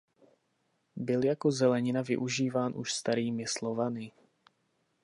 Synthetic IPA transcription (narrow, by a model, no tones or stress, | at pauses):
bɪljako̞zɛlɛɲɪnavɪ̰ʔuʒiːvaːnʔṵʃst̪aɾiːmɪslovanɪ